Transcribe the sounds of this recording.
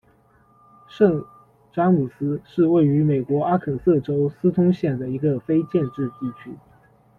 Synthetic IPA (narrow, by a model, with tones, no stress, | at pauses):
ʂɤ˥˩ŋ | ʈ͡ʂa˥ŋmu˨˩sɹ̩˥ʂɻ̩˥˧we˥˩ɪy˧˥me˨˩ɪkwɔ˧˥a˥kʰɤ˨˩sɤ˥˩ʈ͡ʂo˥ʊsɹ̩˥t̪ʰʊ˥ŋɕjɛ˥˩nd̪ə˩i˧˥ɡə˧fe˥ɪt͡ɕjɛ˥˧nʈ͡ʂɻ̩˥˧t̪i˥˩t͡ɕʰy˥